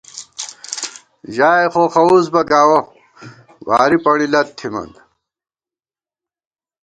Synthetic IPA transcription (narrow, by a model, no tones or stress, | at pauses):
ʑaːjxoxɐuzbɐɡaːwo | wa̰ːɾipɐɽilɐt̪ʰːimɐ̰n